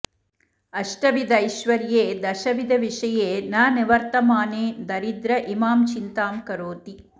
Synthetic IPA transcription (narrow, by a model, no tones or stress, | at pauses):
ɐʂʈɐʋid̪ɐjʃʋɐɾjeːd̪ɐʃɐʋid̪ʱɐʋiʂɐjeːnaːniʋɐɾt̪ɐmaːneːd̪ɐɾid̪ɾɐʔimaːmt͡ʃint̪aːmkɐɾoːt̪i